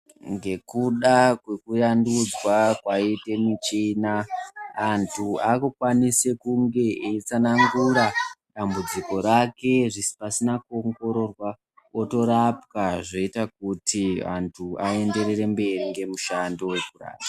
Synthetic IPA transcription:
ŋɡe̞kuɗakwe̞kujandud͡zwakwaite̞mit͡ʃinaː | ntʰuakukwanise̞kuŋɡe̞ʔet͡sanaŋɡuɾaɗambud͡ziko̞ɾake̞ʐisi̥pasinakuoŋɡo̞ɾo̞rwa | o̞to̞ɾapkaʐo̞itak̚utʰia̰ntʰuae̞nde̞ɾere̞mbe̞riŋɡe̞muʃando̞wekura̰ːra

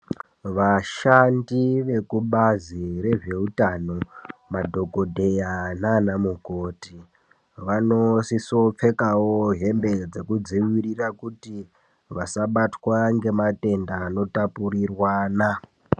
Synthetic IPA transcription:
ʋaʃandiʋe̞kuɓazire̞ʐe̞utano̞madʱo̞ko̞dʱejananamukoti | ʋano̞siso̞p͡fe̞kawoɦe̞mbe̞d͡ze̞kud͡ziwirirakuti | ʋasaɓatwaŋɡe̞mate̞ndaːno̞tapuɾirwaːna

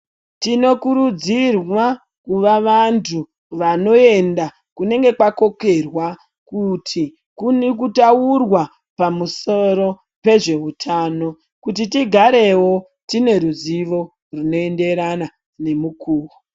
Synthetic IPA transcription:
tino̞kuɾud͡zirwa | kuʋaʋantʰu | ʋano̞e̞nda | kune̞ŋɡe̞kwako̞ke̞rwa | kutʰi | kunek̬utaurwa | pamuso̞ɾo̞ | pe̞ʐe̞utʰaːno̞ | kut̬itiɡʱaɾe̞wo̞ | tine̞ɾuziʋo̞ | runo̞e̞nde̞ɾana | ne̞mukʰuːwo

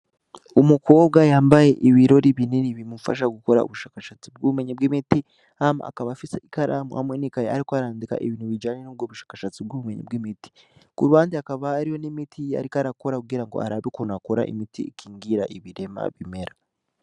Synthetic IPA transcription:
umuko̞ːbɡajaːmbaje̞ʔiβiɾo̞ɾiβininiβimufa̰ʃ̬aɡuko̞ɾa̰ṵβuʃaːkaʃat͡sib̚ɡuβume̞ɲebɡimiti | ama̰ʔa̰kaβafiseʔikaɾʔa̰mṵha̰mwenikajeaɾikwaɾaːndika̰ʔeβiːnhuβid͡ʒaːɲenub̚ɡoːβuʃḁːkaʃat͡sibɡuβumeɲḛbɡimiti̥ | kuɾuβaːndiakaβaːɾijo̞nimitʰia̰ɾikaɾako̞ɾakuɡiɾaŋɡo̞̰ʔa̰ɾaβikonakoɾa̰ʔḭmitḭikʰiːŋɡiɾaʔiβiɾe̞ma̰βime̞ɾa

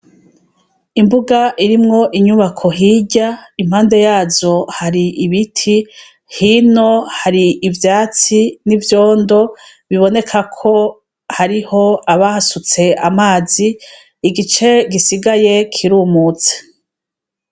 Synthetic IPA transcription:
imbuɡaʔiɾimŋo̞ʔiɲuβakʰo̞ɦiɟaim̥haːnde̞jaːzo̞haɾiʔiβitʰi | hino̞haɾiivjaːt͡sinivjo̞ːndo̞ | βiβo̞ne̞kʰakʰo̞ | haɾiho̞aβahasut͡se̞amaːziː | ɡit͡ʃe̞ɡisiɡaje̞kʰiɾuːmuːt͡se̥

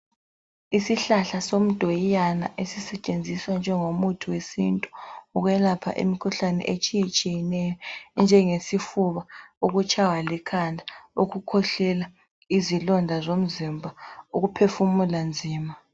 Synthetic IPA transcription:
isiɬaɬasom̩d̥ʱojijana̰ʔesisɛt͡ʃʼend͡zʱiswand͡ʒʱɛŋomutʰiwesintʼuuɣwɛlapʰa̰ʔḭmikʰuɬanɛ̰ʔet͡ʃʼijɛt͡ʃʼijɛnɛjɔnd͡ʒʱɛŋesifuβaoɣut͡ʃʰʼawalɛkʰandʱaoɣukʰɔɬɛla | izilɔndʱazom̩zimbʱauɣupʰefumuland͡zʱiːma

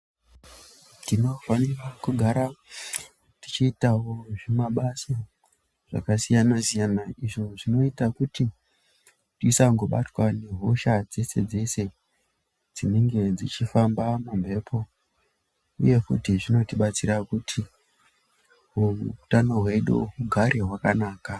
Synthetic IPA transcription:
tino̞fanirakuɡʱaɾa | ti̥t͡ʃiːtawo̞ʐemaɓasa | ʐ̥a̰kasijanasijanaiʐo̞ʐino̞itakuti | tuisaŋɡo̞ɓa̰twane̞ɦo̞ʃad͡zese̞d͡zese̞ | d͡zine̞ŋɡe̞d͡zit͡ʃifambamambʱe̞pʰo̞ | ṵje̞kṵtiʐino̞tiɓat͡sirakutʰi | ɦuutano̞ɦwe̞ɗṵɦuɡʱaɾe̞ɦwakanaːka

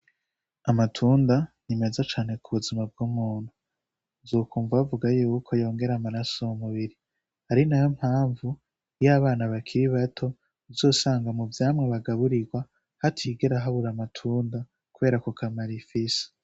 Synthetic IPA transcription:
amatʰuːndanime̞zat͡ʃaːne̞kʰuβuzimab̚ɡumuːn̥hu | zoːkuːɱvaβvuɡajukʰojo̞ːŋɡe̞ɾamaɾasoumuβiɾi | haɾinajom̥haːɱvu | jaːβaːnaβakʰiɾiβatʰo̞ | zo̞ːsaːŋɡamuvjaːmŋeβaɡaβuɾiɡwa | hatʰiɡe̞ɾaɦaβuɾamatʰuːnda | kuβe̞ːɾakokamaɾifise̥

